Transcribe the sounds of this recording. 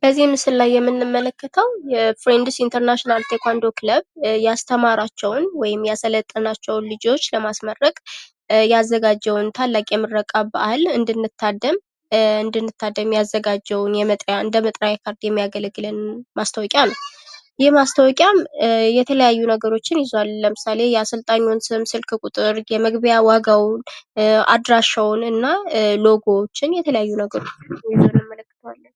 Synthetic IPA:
b̥əzːimɨsɨllajːɛmːɨnːɨmːələkʰːət̪ʰəwjɛfɾend̪ɨsint̪ʰəɾnaʃinalt̪ʰekʷand̪okʰləβjast̪ʰəmaɾat͡ʃːɛwnwɔjɪmjɛasələt̪ʼːənat͡ʃːɛwnlɨd͡ʒo̞t͡ʃːləmasmərːəkʼ | jazːəɡad͡ʒːɛwnt̪ʰalːakʼjɛmːɨrːəkʼabahlɨnd̪ɨnːɨt̪ʰːad̪ːəm | ɨnd̪ɨnːɨt̪ʰːad̪ːəmjazːəɡad͡ʒɛwnjɛmət̪ʼjaɨnd̪əmət̪ʼɾajkʰaɾd̪jɛmːijaɡəlɡɨlənmast̪ʰəwɔkʼjanəwjɪhmast̪ʰəwɔkʼjamjɛt̪ʰələjajːunəɡəɾo̞t͡ʃːɪnjɪzalːəmɨsale̞jɛasəlt̪ʼaɲːonsɨmsɨlkkʼut̪ʼɨɾjɛməɡbjawaɡawʊna̰d̪ɾaʃəwnɨnːalo̞ɡot͡ʃːɪnjɛt̪ʰələjajːunəɡəɾo̞t͡ʃːjɪzɨnɨmələkːɨt̪ʰwalːən

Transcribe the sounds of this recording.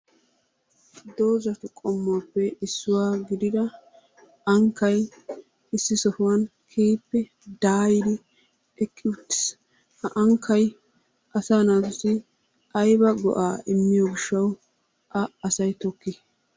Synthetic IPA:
d̪o̞ːzɐt̪ʊkʼɔmːaːpːɛɪsːʊwaːɡɪd̪ɪd̪ɐ | ɐŋkːɐj | ɪsːɪsɔfʊwɐn | kʰeːpːɛ | d̪aːjɪd̪ɪ | ɛkʼːɪʊt̪ːɪ̥s | ʔɐŋkʰːɐj | ʔɐsaːnaːt̪ʊsɪ | ʔɐjbɐɡɔ̰ʔaːɪmːɪjɔɡɪʃːɐw | ʔɐɐsɐjt̪ɔkːɪ

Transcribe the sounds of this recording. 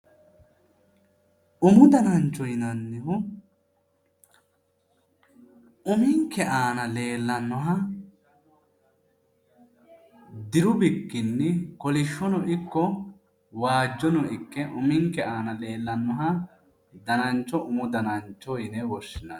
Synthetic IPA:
ʊmʊd̪ɐnɐnt͡ʃːɔjɪnɐnːɪɦʊ | ʊmɪŋkːɛʔaːnɐle̞ːlːɐnːɔɦɐ | d̪ɪɾʊbɪkːɪnːɪkɔlɪʃːɔnɔɪkːɔ | waːd͡ʒːɔnɔɪkːɛʔʊmɪŋkɛaːnɐle̞ːlːɐnːɔɦɐ | d̪ɐnɐnt͡ʃːɔʔʊmʊd̪ɐnɐnt͡ʃːɔjɪnɛwɔʃːɪnɐn

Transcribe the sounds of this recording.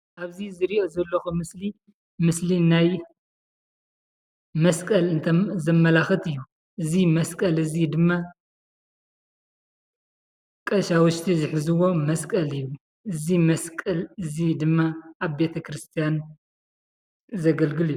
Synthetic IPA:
ʔaβzizɨɾiʔo̞zɐlːɐxumɨsli | mɨslinaj | mɐskʼɐlɨnt̪ʰɐzɐmːɐlaxɨt̪ɨjːu | ʔɨzimɐskʼɐlɨzid̪ɨmːa | kʼɐʃawʊʃt̪ʰizɨħzɨwo̞mɐskʼɐlɨjːu | ʔɨzimɐskʼɐlɨzid̪ɨmːaʔaβbe̞t̪ʰɐkʰɾɨst̪ʰijan | zɐɡɐlɡɨlɨjːu

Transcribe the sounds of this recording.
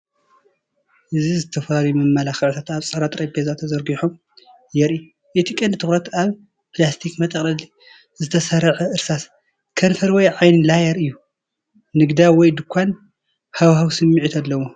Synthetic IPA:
ʔɨzizɨt̪ʰɐfaɾjumɨmːɐlaxɐʕut̪ʰat̪aβsʼɐɾat̪ʼɾɐbʰezat̪ʰɐzɐɾɡiħom | jɛɾi | ʔet̪ʰikʼɐnd̪ɨt̪ʰɨxɾɐt̪aβ | pɨlast̪ʰikmɐt̪ʼɐkʼlɐli | zɨt̪ʰɐsɐɾɐʕʔɨɾsas | kʰɐnfɐɾwɔjʕajnlajɐɾɨjːu | nɨɡd̪awɔjd̪ɨkʷʰːan | hawhawsɨmːiʕit̪ʰalːɐwo

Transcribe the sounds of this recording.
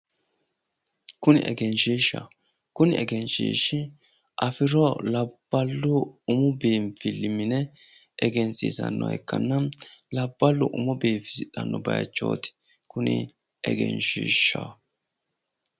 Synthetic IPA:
kʊnɪ̰ʔɛɡɛnʃiːʃːɐ̰ | kʊnɪɛɡɛnʃḭːʃːɪ | ʔɐfɪɾɔlɐb̥ːɐlːʊʊmʊbeːnfɪlːɪmɪnɛʔɛɡɛnsḭsɐnːɔɛ̰kːɐnːɐlɐbːɐlːʊʔʊmɔbeːfɪsɪɗɐnːɔbɐjɐt͡ʃːo̞̰ːt̪ɪ̥ | kʊnɪ̰ | ʔɛ̰ɡɛ̰nʃiːʃːa

